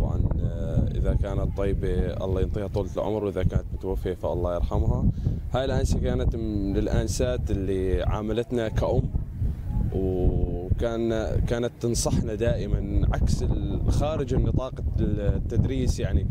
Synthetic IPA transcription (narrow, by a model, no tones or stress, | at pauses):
bʕɑ̰nʔɪ̰ðakaːnat̪ˤːɑjːbeʔɑ̰lˤːɑːjɪnt̪ˤiːhɑt̪ˤuːllʕʊ̰mɾwʔɪðakaːnat̪mʊt̪awafːijafaʔɑ̰lˤːɑːjɑɾˤħamɦahaːjlʔaːnsakaːnat̪lɪlʔaːnsaːt̪ɪlːiʕa̰ːmalat̪nakaʔʊmː | w | kaːnakaːnat̪ːɨnsˤɑħnad̪aːʔɪmanʕaksɪlxaːɾɪd͡ʒɪnːɨt̪ˤɑːqɑt̪ːad̪ɾiːsjaʕni